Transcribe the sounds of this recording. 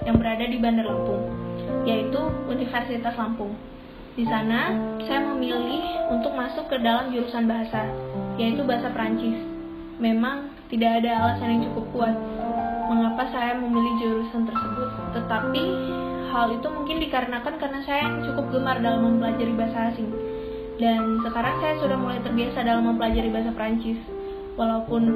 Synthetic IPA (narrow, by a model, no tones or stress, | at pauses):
jaŋbəɾadadibandarlampʊŋjait̪uunifərsit̪aslampʊŋ | disanasajaməmilɪhunt̪ʊk̚masʊkːədalamd͡ʒuɾusanbaɦasajait̪ubaɦasapɾaɲt͡ʃɪs | memaŋ | t̪idaːdaːlasajaŋt͡ʃukʊp̚kuat̪̚məŋapasajaməmilɪhd͡ʒuɾusant̪ərsəbʊt̪ːət̪api | halit̪umuŋkɪndikaɾənakankaɾənasajat͡ʃukʊp̚ɡəmardalamːəmpəlad͡ʒaɾibaɦasaːsɪŋ | dansəkaɾaŋsajasudahmulajt̪ərbiasadalamːəmpəlad͡ʒaɾibaɦas̬apɾaɲt͡ʃɪs | walaupʊn